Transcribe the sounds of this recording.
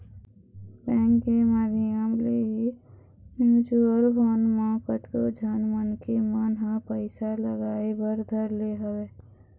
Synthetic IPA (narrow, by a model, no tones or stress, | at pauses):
bɛ̃ːŋkːemaːd̪ʱiəmleɦi | mjuːd͡ʒuəlɦoːnmaːkət̪kod͡ʒʱənmənkemənɦãpəɪsaləɡaːebəɾd̪ʱəɾleɦəweː